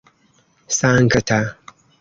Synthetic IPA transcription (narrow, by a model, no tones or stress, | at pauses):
saŋ̩kɐtʰa